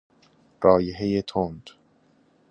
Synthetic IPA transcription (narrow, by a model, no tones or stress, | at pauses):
ɾɒːjeɦejet̪ʰond̪